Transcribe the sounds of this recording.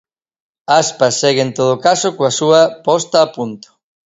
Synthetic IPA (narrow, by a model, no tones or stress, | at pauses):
aspɐsːɛɣɪent̪oð̞okasokoasuɐpɔst̪aːpunt̪o̥